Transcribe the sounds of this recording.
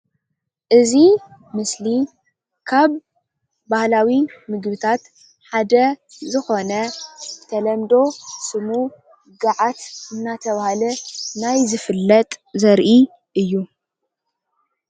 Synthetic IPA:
ʔɨzi | mɨsli | kʰaβː | ahlawimɨɡbɨt̪ʰat̪ | ħad̪ɐzɨxo̞nɐt̪ʰɐlɐmd̪o̞sɨmu | ɡaʕat̪ɨnːat̪ʰɐβahalɐnajzɨfɨlːɐt̪ʼzɐɾʔi | ʔɨjːu

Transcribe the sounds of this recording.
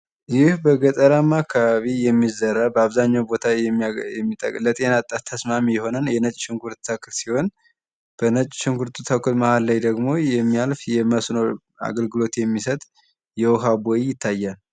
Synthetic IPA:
jɪhbəɡət̪ʼəɾamːakʰːaβaβijɛmːizəɾabəaβzaɲːawbo̞t̪ʰajɛmːjɛmːit̪ʼə̰kʼlət̪ʼe̞nat̪ʼːat̪ʰːəsmamijɛho̞nənjɛnət͡ʃʼʃɪŋɡʰuɾt̪t̪ʰəkʰɨlsiho̞n | b̥ənət͡ʃʼʃɪŋɡuɾt̪ʰut̪ʰəkɨlmahalːajd̪əɡmo̞jɛmːijalfjɛməsno̞ | a̰ɡəlɡɨlo̞t̪jɛmːisət̪ʼ | jɛwɔɦabojjɪt̪ʰːajːal

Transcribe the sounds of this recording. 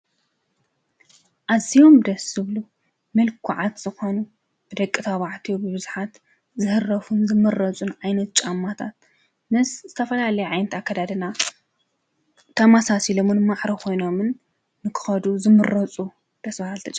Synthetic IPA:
ʔaziomd̪ɐsɨβlu | mɐlkʰuʕat̪z̥ɨxo̞nu | b̥ɨd̪ɐkʼːɨt̪ʰaβaʕt̪ʰijobɨβɨzuħat̪ | zɨhɨrːɐfunzɨmɨrːɐt͡sʼunʕajnɐt̪̚t͡ʃʼamːat̪ʰat̪̚ | mɨszɨt̪ʰɐfɐlalɐjuʕajnɐt̪akʰːad̪ad̪ɨna | t̪ʰɐmasasilomɨnmaħɾɐkʰo̞jno̞mɨnː | ɨkʰɨ̥xɐd̪uzɨmɨɾɐt͡sʼu | d̪̥ɐsbahalt̪ʰɐt͡ʃʼ

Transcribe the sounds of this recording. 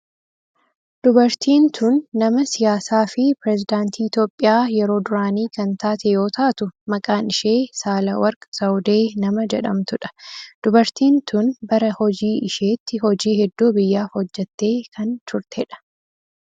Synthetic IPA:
d̪̥ʊbɐɾt̪iːnt̪ʰʊnːɐmɐsɪjaːsaːfɪpɪɾɛzɪd̪aːnt̪ʰiːɪt̪jo̞ːpʼːɪjaːjɛɾo̞ːd̪ʊɾaːniːkɐnt̪aːt̪ɛjo̞ːt̪aːt̪ʊmɐkʼaːnɪʃeːsaːlɐwɐɾkʼɐsɐwd̪e̞ːnɐmɐd͡ʒɛᶑɐmt̪ʊᶑɐ̥d̪̥ʊbɐɾt̪iːnt̪ʊnbɐɾɐhɔd͡ʒiːʔɪʃe̞ːt̪ːɪhɔd͡ʒiːhɛd̪ːuːbɪjːaːfhɔd͡ʒːɛt̪ːe̞ːkʰɐnt̪ʊɾt̪ʰɛᶑɐ̥

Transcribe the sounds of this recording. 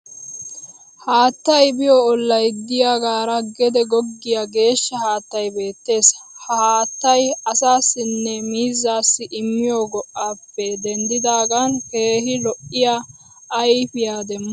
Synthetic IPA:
haːt̪ːɐjbɪjɔɔlːɐjd̪ːɪjaɡaːɾɐɡɛd̪ɛɡɔɡːɪjaɡe̞ːʃːɐhaːt̪ːɐjbe̞ːt̪ːe̞ːshɐhaːt̪ːɐjɐsaːsːɪnːɛmiːzːaːsːɪʔɪmːɪjoːɡɔʔːaːpːɛd̪ɛnd̪ɪd̪aːɡɐnheːɦɪlɔʔːɪjaː | jpɪjaːd̪ɛmːɐ

